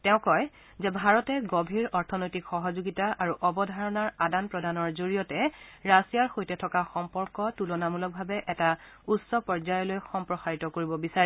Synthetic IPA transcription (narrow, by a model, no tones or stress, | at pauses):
tɛʊ̃kɔj | zɛbʱaɹɔtɛɡɔbʱiɹɔɹtʰɔnojtikxɔɦɔzoɡitaʔaɹuʔɔbɔdʱaɹɔnaɹadanpɹɔdʱanɔɹzoɹijɔtɛɹasijaɹxojtɛtʰɔkaxɔmpɔɹkɔtulɔnamulɔk̚bʱabɛʔɛta | usɔpɔɹzajɔlojxɔmpɹɔxaɹitɔkoɹibɔbisaɹ